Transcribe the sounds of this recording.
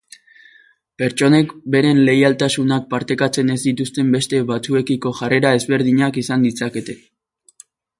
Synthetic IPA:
pe̞ɾt͡ʃo̞ne̞kbe̞ɾe̞nle̞jalt̪asunak̚paɾt̪e̞kat͡se̞ne̞zd̪it̪ust̪e̞mbe̞st̪e̞βat͡sue̞kiko̞ʝare̞ɾae̞zβe̞ɾð̞iɲakisand̪isake̞t̪e̞

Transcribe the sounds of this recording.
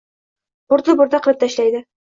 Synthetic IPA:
buɾd̪ɤbŭɾd̪ɑqɤ̆lɤp̚t̪æɕlæjd̪ɘ

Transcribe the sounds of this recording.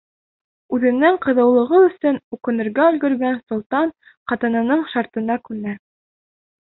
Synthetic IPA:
ʉðɘ̆nːæŋqɤ̆ðɤ̆wlˠɤ̆ʁɤɵ̆sɵnʉkɘ̆nɘ̆ɾɡæʉlɡɵ̆ɾɡænsŏlˠt̪ɑn | qɑt̪ɤ̆nɤ̆nɤɴʃɑɾt̪ɤ̆nɑkʉnæ

